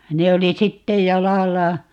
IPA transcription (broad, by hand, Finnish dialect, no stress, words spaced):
ne oli sitːej jɑlɑlːɑ